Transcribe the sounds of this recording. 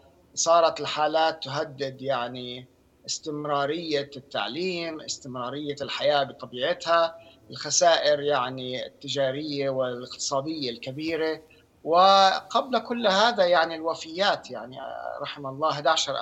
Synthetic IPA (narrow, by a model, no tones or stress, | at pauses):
sˤɑːɾˤɑt̪ɪlħaːlaːt̪ːʊɦad̪ːɪd̪jaʕni | ʔɪst̪ɪmɾɑːɾɪjːat̪ːa̰ʕliːmʔɪst̪ɪmɾˤɑːɾɪjːalħajaːbt̪ˤɑbiːʕɪt̪ha | ɪlxasaːʔɪɾjaʕnit̪ːɪd͡ʒaːɾɪjːawɪlɪqt̪ɨ̥sˤɑːd̪ɪjːalkabiːɾe | wɪqablakʊlːhaːðajaʕnilwafɪjːaːt̪jaʕnḭɾˤɑħɪmlˤːɑːɦad̪aʕʃɑɾˤʔ